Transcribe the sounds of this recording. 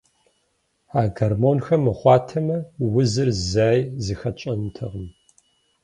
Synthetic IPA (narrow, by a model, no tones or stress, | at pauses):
aːɡɐrmoːnxɐmːɨχʷɑːtʰɐmɐwʊzɨrzaːjzixɐt͡ʃʼɐntʰɐʁəm